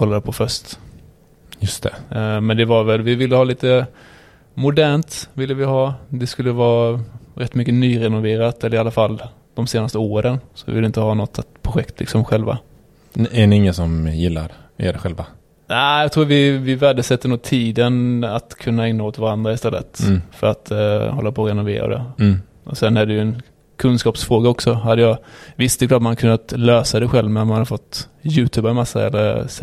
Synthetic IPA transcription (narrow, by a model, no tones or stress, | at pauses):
kʰɔlːad̪əpʰɔfœʂt̪ | jɵst̪ʰɛmɛnd̪ɛvaɾvɛlvɪvɪlːəhɑːliːt̪ə | mʊd̪æːɳt̪vɪlːəvɪɦɑːd̪ɛskɵlːəvɑːɾɛt̪ːmʏkːənyːɾɛnʊveːɾat̪ɛlːəɾɪalːafalː | d̪̥ɔmseːnast̪əoːɾənsɔvɪvɪləɪnt̪əhɑːnɔt̪ːpʰɾʊɧɛkt̪ʰlɪ̰ksɔmɧɛlva̰ | æɖɛɪŋːənsɔmjɪlːa̰ɾɛ̰ɖɛɧɛlva | næɪjɑt̪ʰɾuːvɪvɪvæɖəsɛt̪ʰːəɳuːt̪ʰːiːd̪ənat̪kʰɵnːaɛŋnaoːt̪vaɾand̪ɾaɪst̪ɛlːə̰t̪fœɾat̪hɔlːapʰɔːɾɛnʊvḛːɾa̰d̪ɛ̰ | ʔɔsɛnːæɖɛjɵɛn | kʰɵnskɑːpsfɾoːɡaɔksɔɦad̪ːəjɑvɪst̪ɛklɑːʈt̪mankʰɵnːat̪løːsad̪ɛɧɛlvmɛnmanhaɾfɔt̪ːjʉ̟ːt̪ʰʉːbaɾmasːa̰ɛ̰lːəɾs